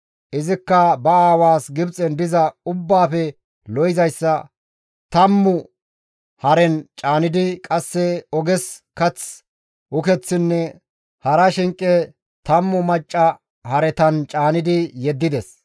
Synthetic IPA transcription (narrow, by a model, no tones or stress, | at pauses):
ʔɪzɪkːɐbɐaːwaːsɡɪbt͡sʼɛnd̪ɪzɐʊbːaːfɛ | lɔjɪzɐjsːɐ | t̪ɐmːʊ | hɐɾɛnt͡ʃʼaːnɪd̪ɪkʼɐsːɛɔɡɛskɐt͡s | ʔʊkɛt͡sːɪnːɛ | hɐɾɐʃɪŋkʼːɛ | t̪ɐmːʊmɐt͡ʃʼːɐ | hɐɾɛt̪ɐnt͡ʃʼaːnɪd̪ɪjɛd̪ːɪd̪ɛs